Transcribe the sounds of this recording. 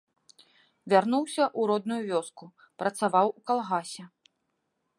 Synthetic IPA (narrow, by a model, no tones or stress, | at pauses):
vʲarnuwsʲɐʔuɾɔd̪nujuvʲɔsku | pɾɐt̪savawukalˠɣasʲɛ